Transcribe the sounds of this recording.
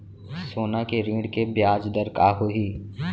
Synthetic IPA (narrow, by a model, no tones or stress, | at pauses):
soːnakeɾĩːɽkebjaːd͡ʒd̪əɾkaɦoɦiː